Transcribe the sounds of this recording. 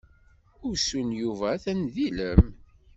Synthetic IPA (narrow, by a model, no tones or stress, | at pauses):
ʊɾsunjuvæθænðiləm